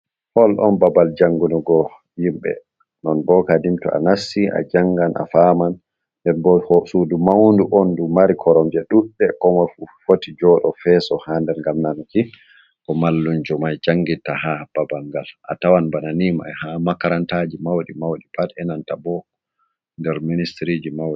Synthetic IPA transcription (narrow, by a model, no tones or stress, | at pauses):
hɔlʔɔ̰nbabald͡ʒaŋɡunɔɡɔ | jimɓɛ̰ | nɔnbɔkadimtṵʔa̰nasːiʔa̰d͡ʒaŋɡanʔa̰faːman | ndɛnbɔsudumawnduʔɔndumaɾikʰɔɾɔmd͡ʒɛɗuɗːɛkɔmɔfufotid͡ʒɔɗɔfɛsɔhandɛɾŋɡamnanki | kɔmalːund͡ʒɔmajd͡ʒaŋɡitahab̥abaŋɡalʔa̰tawanbananima̰hamakaɾantad͡ʒimawɗimawɗipatɛnantabɔ | ndɛɾministɾid͡ʒimawi